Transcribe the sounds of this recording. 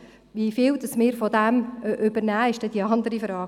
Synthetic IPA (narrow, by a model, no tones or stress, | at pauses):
ʋifɪːld̥̪ɑsmɪːɾfɔd̪æmʔʉbəɾnæːɪʃd̥ɛd̥iɑnd̪əɾifɾɑː